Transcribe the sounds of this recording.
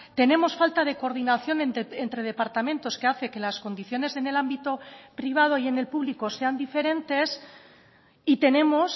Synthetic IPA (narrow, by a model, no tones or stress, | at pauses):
t̪e̞ne̞mo̞sfalt̪að̞e̞koɾð̞inaθjo̞nenent̪ɾe̞ð̞e̞paɾt̪amẽ̞nt̪o̞ske̞aθe̞ke̞lasko̞nd̪iθjo̞ne̞ze̞ne̞lambit̪o̞pɾiβ̞að̞o̞ie̞ne̞lpuβliko̞se̞and̪ife̞ɾe̞nt̪e̞s | it̪e̞ne̞mo̞s